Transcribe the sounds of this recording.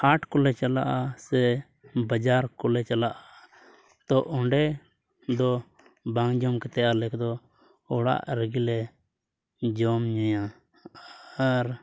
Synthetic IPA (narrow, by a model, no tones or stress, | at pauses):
haʈkɔlɛt͡ʃalaʔasɛ | bəd͡ʒaɾkɔlɛt͡ʃalaʔa | t̪ɔʔɔɳɖɛ | d̪ɔ | bãŋd͡ʒɔmkɛt̪ɛjalɛkd̪ɔ | ɔɽa̰ʔɾəɡilɛ | d͡ʒɔmɲuja | ɾ